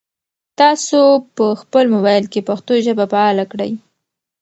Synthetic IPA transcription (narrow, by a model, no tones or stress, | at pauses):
t̪ɑsopəxpəlmʊbɑjlkepaxt̪oʒəbapaɑlakɽə̰j